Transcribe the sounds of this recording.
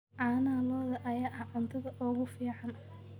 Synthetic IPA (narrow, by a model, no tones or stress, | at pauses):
ʕɑːnaːlɔːðɐʔɐjaːʔɐʕʊnt̪ʰɐðɐʔɔːɣʊfiːʕɑnɐ